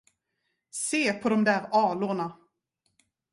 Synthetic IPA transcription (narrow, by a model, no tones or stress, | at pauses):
seːpʰɔd̪ɔmd̪æːɾɑːlʊɳa